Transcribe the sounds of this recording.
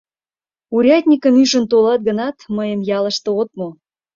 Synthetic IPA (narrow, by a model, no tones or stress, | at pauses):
uɾʲɑt̪ʲnʲikəmyʒə̆nt̪olɑt̪̚ɡənɑt̪məjəmjɑləʃt̪ŏot̪̚mo